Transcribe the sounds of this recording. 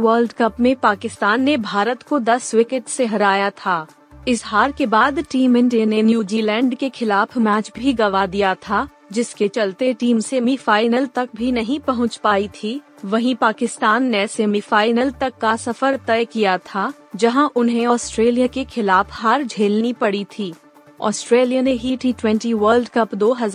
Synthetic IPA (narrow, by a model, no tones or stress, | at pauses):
wəːlɖkɐpmẽpaːkɪst̪aːnːebʱaːɾət̪kod̪ɐswɪkɪʈseɦɐɾaːjat̪ʰaː | ɪsɦaːɾkebaːd̪ʈiːmɪ̃ɳɖijənenjuːd͡ʒiːlɛ̃ːɳɖkexʰɪlaːfʰmɛːt͡ʃbʱiɡɐʋad̪ijat̪ʰa | d͡ʒɪsket͡ʃɐlt̪eʈiːmsemifaːɪnəlt̪ɐk̚bʱinɐɦĩpɐɦʊ̃t͡ʃpaːit̪ʰiʋɐɦĩpaːkɪst̪aːnːeseːmifaːɪnəlt̪ɐkːasɐfəɾt̪ɛjkijat̪ʰa | d͡ʒɐɦãʔʊnɦẽɔːsʈɾeːlijakexʰɪlaːfɦaːɾd͡ʒʱeːlnipɐɽit̪ʰiː | ɔ̰ːsʈɾeːlijaneɦiʈiːʈwɛ̃ɳʈiʋəːɾlɖkɐpd̪oːɦɐz